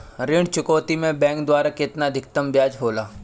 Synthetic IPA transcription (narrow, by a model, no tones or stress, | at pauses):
ɾɪɳɖt͡ʃʊkoːt̪imẽbɛ̃ːŋkd̪waːɾakɪt̪nad̪ʱɪk̚t̪əmbjaːd͡ʒɦoːlaː